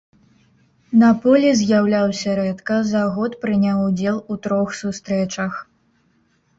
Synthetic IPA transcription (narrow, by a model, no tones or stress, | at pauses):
nɐpɔlʲizʲjawlʲawsʲɐɾɛt̪kɐzɐɣɔt̪pɾɨnʲawud͡zʲɛlˠut̪ɾɔxsust̪ɾɛt͡ʂɐx